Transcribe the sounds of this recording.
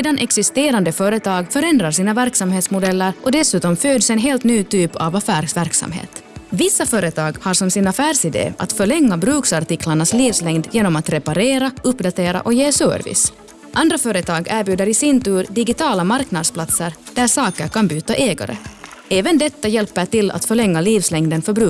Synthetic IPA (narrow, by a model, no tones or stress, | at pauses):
seːd̪anʔɛksɪst̪eːɾand̪əfœːɾət̪ʰɑːɡfœɾɛnd̪ɾaɾʂiːnavæɾksamheːt̪smʊd̪ɛlːəɾɔd̪ɛsʉ̟ːt̪ɔmføːd̪sɛnɦeːlt̪nyːt̪ʰyːpʰa̰vafæːɾsvæɾksa̰mɦḛːt̪vɪsːafœːɾət̪ʰɑːɡhaɾʂɔmsɪnafæːɾʂɪd̪ḛːʔa̰t̪fœɭɛŋːabɾʉ̟ːksaɾʈ̪ɪklaɳasliːvslɛŋd̪jeːnɔmat̪ɾɛpaɾeːɾaɵpːd̪at̪ʰeːɾa̰ʔɔjeːsœ̰ːɾvɪ̰s | ʔand̪ɾafœːɾət̪ʰɑːɡæːɾbjʉːd̪əɾɪsɪnt̪ʉːɾd̪ɪɡɪt̪ʰɑːlamaɾknad̪spʰlat̪səɾd̥̪æɾʂɑːkəɾkʰanbyːt̪aʔeːɡa̰ɾə̰ | ɛːvɛnd̪ɛt̪ːajɛlpːəʈɪlːa̰t̪fœɭɛŋːaliːvslɛŋd̪ənfœɾbɾʉ̟ː